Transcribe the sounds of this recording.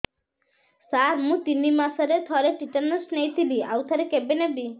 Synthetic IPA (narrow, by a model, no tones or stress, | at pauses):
saɾmũt̪inimasaɾet̪ʰɔɾeʈitanəsnejt̪ʰibiawt̪ʰaɾekebenebi